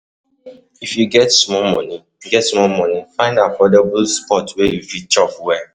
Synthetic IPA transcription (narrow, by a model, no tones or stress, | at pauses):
ifjuɡɛtsmɔmɔ̰̃ni | ɡɛtsmɔmɔ̃nifãɪ̃ndafɔdabulspɔtwejufit͡ʃɔfwɛ